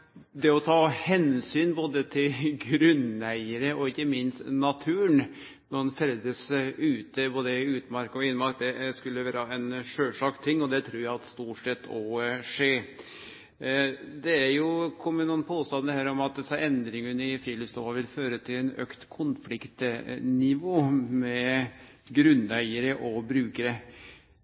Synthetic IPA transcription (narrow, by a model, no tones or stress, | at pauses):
d̪ɛɔt̪ʰɑːhɛnsyːnboːd̪ət̪ʰɪlɡɾʉnæɪəɾəɔɪçːəmɪnst̪nɑt̪ʰʉːɳ | nɔɑnfɛld̪əsʉːt̪əboːd̪əʉːt̪mɑɾkɔɪnːəmɑɾk̚d̪ɛskʉlːəʋæːɾəɑɛnʂøːʂɑkt̪ʰɪŋːɔd̪ɛt̪ʰɾuːɾjæɪɑt̪st̪uːʈʂɛt̪ʰːɔʂeː | d̪ɛæɾjʊkʰʊmənuːnpʰoːst̪ɑnəhæːɾɔmɑt̪̚d̪ɛsɑɛnd̪ɾɪŋənɪfɾɪləst̪oːʋɑʋɪlføːɾət̪ʰɪlɛnø̰ːkt̪kʰʊnflɪkt̪nɪʋoːmɛ | ɡɾʉnːæɪəɾəʔɔbɾʉːkəɾə